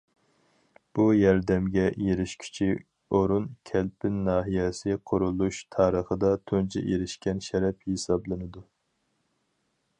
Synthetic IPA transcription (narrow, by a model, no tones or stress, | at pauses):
b̥ujɑɾd̪ɛmɡʲɛjeɾɪʃkʲʰy̥t͡ʃʰi | oɾunkʲʰɛlpʰɪnːɑːɦijɛsɪqʰʊɾulˠuʃt̪ʰɑːɾəχəd̪ɑt̪ʰont͡ʃʰɛ̰ʔeɾɪʃkʲɛnʃɛɾɛphesɑblˠɨnɨd̪u